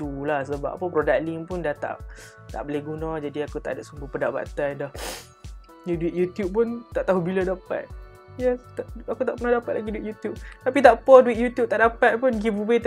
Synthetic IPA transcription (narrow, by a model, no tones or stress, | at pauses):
t̪ulahsəba̰ʔa̰pəpɾodak̚liŋpʊndaht̪a̰ʔ | t̪a̰ʔbolehɡunãd͡ʒadiakut̪a̰ʔdaʔsumbupədapa̰t̪andah | jaduit̪̚jut̪jup̚pʊnt̪aʔt̪aɦubiladapa̰t̪̚ | jɛst̪aʔakut̪aʔpənadapat̪laɡiduit̪̚jut̪jup̚t̪apit̪aʔpɔduwit̪̚jut̪jup̚t̪aʔdapat̪̚punɡifubet̪